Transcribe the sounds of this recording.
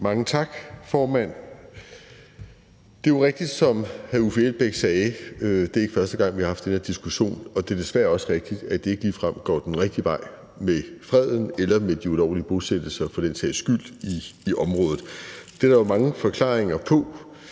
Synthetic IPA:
mɑ̈ŋət͡sʰɑ̈ɡ̥fɒːmæn̰ | d̥e̝joʁeɡ̥̚d̥id̥sɒ̽mhæufielb̥eɡ̥sɛːɪød̥e̝ɐe̝ɡ̥fɶɐsd̥əɡ̥ɑ̈ŋ̰ʋihɑ̈hɑfd̥eneɐd̥isɡ̥uɕo̝̰ːnɒ̽d̥e̝ɐd̥e̝sʋ̥æɐɒ̽sʁɛɡ̥̚d̥id̥æd̥e̝e̝ɡ̥əliːfʁɑm̰ɡ̥ɒ̰ːd̥enʁɛɡ̥̚d̥iʋɑ̈ɪ̰ | mefʁɛð̰ˠn̩elɐmed̥iulɒʊ̰liəb̥o̝sed̥l̩sɐfɒ̽d̥ensɛ̰ɪ̰sɡ̥yl̰d̥iːʔɒ̽mʁɔ̽ːðð̩ˠd̥eɾɑʋɑmɑ̈ŋəfɒ̽kʰlɑ̰̈ːeŋɐpʰɒ̽

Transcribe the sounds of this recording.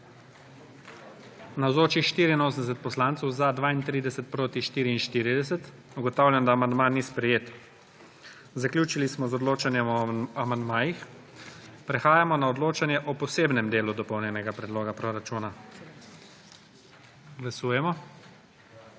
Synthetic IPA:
nawzoːt͡ʃixʃt̪iːɾiinoːs̬ənd̪ɛs̬ɛt̪̚pɔslaːnt̪sɛwzad̪ʋaːint̪ɾid̪ɛsɛt̪̚pɾoːt̪iʃt̪iːɾiːnʃt̪iːɾid̪ɛsɛt̪ | uɡɔt̪awlʲjand̪aːmand̪manispɾɛjeːt̪ | zaklʲjuːt͡ʃilismɔzɔd̪loːt͡ʃanjɛmɔamand̪maːjix | pɾɛxaːjamɔnaɔd̪loːt͡ʃanjɛʔɔpɔseːbnɛmd̪eːlud̪ɔpɔwnʲjɛnɛɡapɾɛd̪loːɡapɾoɾat͡ʃuːna | ɡlasuːjɛmɔ

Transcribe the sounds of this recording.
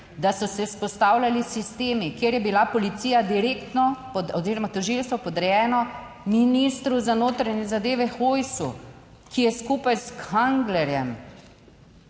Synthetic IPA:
d̪asɔsɛspɔst̪aːwlʲalisist̪eːmikjeːɾjɛbilapɔlit̪sijad̪iɾeːkt̪nɔpɔɔziːɾɔmat̪ɔʒilst̪ʋɔpɔd̪ɾɛjɛːnɔ | minist̪ɾuzanoːt̪ɾaɲɛzad̪eːʋɛxojsṵ | kijɛskuːpajskaŋɡlɛɾjɛm

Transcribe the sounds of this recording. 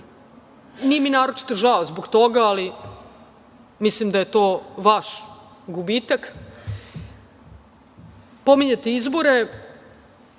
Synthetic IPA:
nijeminaːɾot͡ʃi̥t̪oʒaozboɡt̪o̞ɡaːli | mislimd̪ajet̪o̞ːʋaʃ | ɡubiːt̪ak | pomiɲet̪eizbo̞ɾe

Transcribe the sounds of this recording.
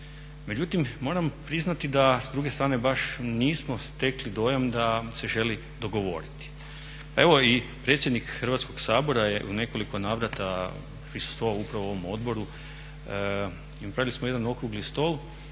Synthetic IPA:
me̞d͡ʑut̪imːo̞ːɾampɾiznat̪id̪asd̪ɾuɡest̪ɾaːne̞baʃniːsmo̞st̪e̞klid̪o̞jamd̪ase̞ʒe̞li | d̪o̞ɡo̞ʋo̞̰ɾit̪i̥ | pae̞ʋo̞ipɾe̞t̪sje̞d̪nikxərʋat̪sko̞ɡ̥saːbo̞ɾajeʔṵne̞ko̞liko̞naːʋɾat̪a | fɾisu̥st̪oupɾaʋooʋo̞mo̞d̪bo̞ɾu | pɾaʋilismojed̪ano̞kɾuɡlist̪o̞lˠ

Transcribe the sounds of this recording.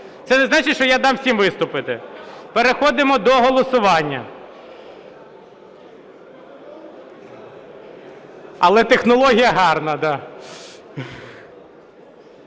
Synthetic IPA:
t̪sɛnɛznɑt͡ʃɪtʲt͡ʃɔjad̪ɑmsʲimʋɪst̪ʊpɪt̪ɪpeɾexɔd̪ɪmɔd̪ɔɦɔlˠɔsʊʋɑnʲːɐ̰ | ɐlˠɛt̪exnɔlˠɔɦʲijɐɦɑrnɐd̪ɑ

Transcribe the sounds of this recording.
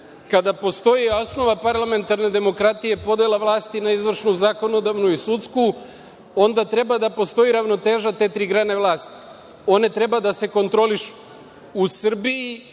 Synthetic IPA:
kad̪apo̞st̪o̞jiosno̞ʋapaɾlˠame̞nt̪aɾne̞d̪e̞mo̞kɾat̪ije̞po̞d̪elaʋlˠaːst̪inaizʋr̩ʃnuzako̞no̞d̪aʋnuisut̪sku | o̞nd̪at̪ɾe̞bad̪apo̞st̪o̞jiɾaʋno̞t̪e̞ːʒat̪e̞t̪ɾiːɡɾane̞ʋlˠaːst̪i̥ | o̞ne̞t̪ɾe̞bad̪ase̞ko̞nt̪ɾo̞liʃu̥ː | sr̩biji

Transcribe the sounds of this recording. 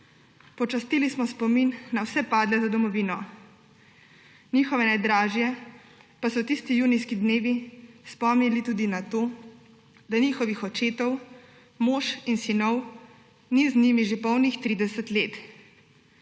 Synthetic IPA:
pɔt͡ʃast̪ilismɔspɔminːawsɛpaːd̪lɛzad̪ɔmɔʋiːnɔ | niːxɔʋɛnɛjd̪ɾaːʒjɛ | pasɔt̪ist̪ijuːnijskid̪neːʋispɔmnilit̪uːd̪inat̪o | d̪aniːxɔʋixɔt͡ʃeːt̪ɔw | moʃinsinɔw | niznimiʒepɔwnixt̪ɾiːd̪ɛsɛt̪leːt̪

